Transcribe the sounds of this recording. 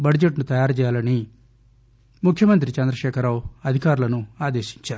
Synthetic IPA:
bɐɽd͡ʒeʈnut̪ɐjaːɾt͡ʃɛːjaːlɐni | mukʰjɐmɐnt̪̬ɾit͡ʃɐnd̪ɾɐʃɛːkʰɐɾaːwɐd̪ʱikaːɾulɐnuaːd̪eːʃi̥ɲt͡ʃaːɾu

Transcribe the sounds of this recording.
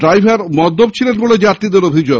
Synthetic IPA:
ɖɾajbʱaɾmɔd̪ʱːob̚t͡ɕʰilenboled͡ʑaɾt̪ɾid̪eɾobʱid͡ʑo

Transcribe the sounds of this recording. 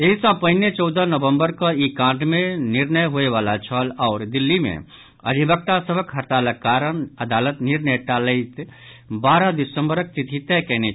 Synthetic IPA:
eɦisãpəɦnet͡ʃɔʊd̪ʱənəʋə̃mbəɾkaikãːʈmẽnɪɾnəjɦoeʋaːlat͡ʃʰəlɔːɾd̪ɪlːimḛ̃ | əd̪ʱibək̚t̪asəbʱəkɦəɾt̪aləkːaːɾəɳəd̪aːlət̪nɪɾnəjʈaləɪt̪ | baːɾad̪ɪsə̃mbəɾək̚t̪it̪ʰit̪ɛkɛɦne

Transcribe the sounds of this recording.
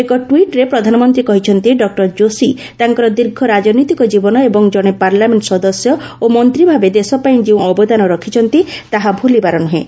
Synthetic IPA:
ekɔʈwiʈɾepɾɔd̪ʱanɔmɔnt̪ɾikɔɦit͡ʃʰɔnt̪iɖɔk̚ʈɔɾd͡ʒosi | t̪aŋkɔɾɔd̪iɾɡʱɔɾad͡ʒɔnɔjt̪ikɔd͡ʒibɔnɔebɔŋd͡ʒɔɽ̃epaɾlameɳʈɔsɔd̪ɔsjɔomɔnt̪ɾibʱabed̪esɔpaĩd͡ʒeũɔbɔd̪anɔɾɔkʰit͡ʃʰɔnt̪it̪aɦabʱulibaɾɔnuɦẽ

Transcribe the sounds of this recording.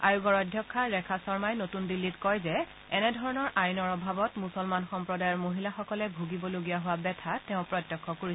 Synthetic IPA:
a̰joɡɔɹɔdʱjɔkʰːaɹɛkʰasɔɹmajnotundilːitkɔjzɛ | ɛnɛdʱɔɹɔnɔɹʔajnɔɹɔbʱabɔtmusɔlmanxɔmpɹɔdajɔɹmoɦilaxɔkɔlɛbʱuɡibɔloɡijaɦʊwabɛtʰatɛʊ̃pɹɔtːɔkʰːɔkoɹi

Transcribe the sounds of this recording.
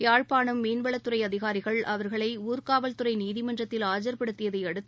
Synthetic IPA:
aːɻpaːɳɯmːiːnʋɐɭɐt̪ːɯrɐɪɐðɪɣaːɾɪɣɐɭʔɐʋɐɾɣɐɭɐɪuːɾkaːʋɐlt̪ɯrɐɪniːðɪmɐndrɐt̪ːɪlaːd͡ʒɐɾpɪɽɯt̪ːɪjɐðɐɪɐɽɯt̪ː

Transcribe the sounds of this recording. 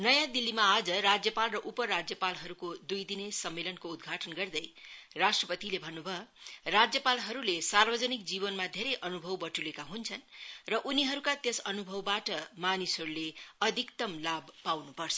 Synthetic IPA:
nʌjãd̪ilːimaːd͡zʌrad͡zjʌpalrʌʔupʌɾad͡zjʌpalɦʌɾukod̪ujd̪inesʌmːelʌnkoud̪ɡʱaʈʌnɡʌrd̪ʌjrasʈrʌpʌt̪ilebʱʌnːubʱʌrad͡zjʌpalɦʌɾulesarbʌd͡zʌnik̚d͡zibʌnmad̪ʱeɾʌjʔʌnubʱʌwbʌʈulekaɦunt͡sʰʌnrʌʔuniɦʌɾukat̪jesʌnubʱʌwbaʈʌmanisʌɾuleʌd̪ʱikt̪ʌmlabpawnupʌrt͡sʰʌ̥

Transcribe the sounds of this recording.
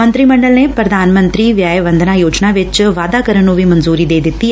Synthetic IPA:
ɐnt̪ɾimɐɳɖɐlnepɾɐd̪ʱaːnmɐnt̪ɾiʋjaːjɐʋɐnd̪ʱɐnaːjoːt͡ʃnaːʋɐt͡ʃːʋaːd̪aːkɐɾɐnoːʋimɐnzuːɾid̪eːd̪it̪ːi

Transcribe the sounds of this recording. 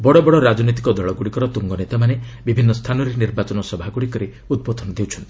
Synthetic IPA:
bɔɽɔbɔɽɔɾad͡ʒɔnit̪̬ikɔd̪ɔɭɔɡuɽikɔɾɔt̪uŋɡɔnet̪amanebibʱinːɔst̪ʰanɔɾeniɾbat͡ʃɔnɔsɔbʱaɡuɽikɔɾi | ud̪̚bɔd̪ʱɔnɔd̪ewt͡ʃʰɔnt̪i̥

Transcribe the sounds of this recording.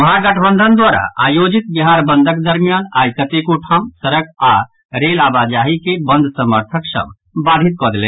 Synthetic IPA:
məɦãɡəʈʰbənd̪ʱənd̪waɾa̰ʔa̰jod͡ʒit̪biɦaɾbənd̪ʱəkd̪əɾmijanaːjkət̪ekuʈʰamsəɾəka | ɾelabad͡ʒaɦikebənd̪ʱsəməɾt̪ʰəksə̰̃m | bad̪ʱit̪̚kɔd̪elḛ̃ː

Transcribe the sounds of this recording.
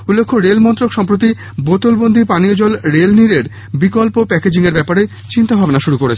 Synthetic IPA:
ulːekʰːoɾelmɔnt̪ɾokʃɔmpɾot̪̬i | bot̪olbond̪ʱipaniod͡ʑɔlɾelniɾeɾ | bikɔlpopɛked͡ʑiŋeɾbɛpaɾe | t͡ɕint̪abʱabnaʃuɾukoɾet͡ɕʰe

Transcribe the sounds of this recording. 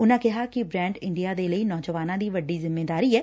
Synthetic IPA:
ʊnãːkɪɦaːkɪbɾɛ̃ːɳɖɪ̃ɳɖijaːd̪eːləiːnɔːd͡ʒəʋaːnãːd̪iːʋəɖiːzɪmːeːd̪aːɾiːɦɛː

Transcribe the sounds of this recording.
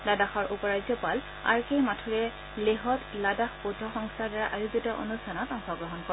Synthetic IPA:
ladaxɔɹʔupɔɹazjɔpal | a̰ɹkejmatʰuɹɛ | leɦɔtladaxpudʱɔxɔŋstʰaɹdaɹaʔajuɡitɔʔo̰nustʰanɔtɔŋxɔɡɹɔɦɔnkɔɛ

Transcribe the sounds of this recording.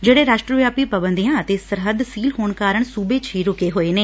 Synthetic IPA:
d͡ʒeːɽeːɾaːʃʈɾəʋjaːpiːpəbənd̪ijãːət̪eːsəɾɦəd̪siːlɦoːɳkaːɾəɳ̃suːbeːt͡ʃiːɾʊkeːɦoːeːneː

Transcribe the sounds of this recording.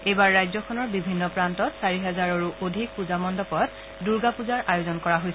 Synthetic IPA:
ejbaɹːajzɔkʰɔnɔɹbibʱinːɔpɹantɔtsaɹiɦɛzaɹoɹuʔodʱik̚puzamɔndɔpɔt̚ | duɹɡapuzaɹʔajozɔnkɔɹaɦojsɛ

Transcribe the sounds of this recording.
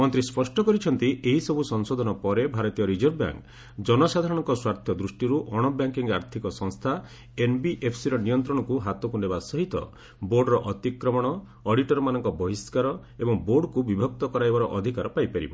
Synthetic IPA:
mɔnt̪ɾispɔsʈɔkɔɾit͡ʃʰɔnt̪ieɦisɔbʱusɔŋsɔd̪ʱɔnɔpɔɾebʱaɾɔt̪ijɔɾid͡ʒɔɾbja̰ŋk | d͡ʒɔnɔsad̪ʱaɾɔɽ̃ɔ̃ŋkɔswaɾt̪ʰjɔd̪ɾusʈiɾuʔɔɽ̃ɔbjaŋkiŋa̰ɾt̪ʰikɔsɔŋst̪ʰa | enbiʔepʰsiɾɔnijɔnt̪ɾɔɽ̃ɔkuɦat̪ɔkunebasɔɦit̪ɔ̰ | boɾɖɾɔʔɔt̪ikɾɔmɔɽ̃ɔː | ɽiʈɔɾɔmanɔŋkɔbɔɦiskaɾɔ | ebɔŋboɾɖkubibʱɔk̚t̪ɔkɔɾajbaɾɔʔɔd̪ʱikaɾɔpajpaɾḭbɔ̰

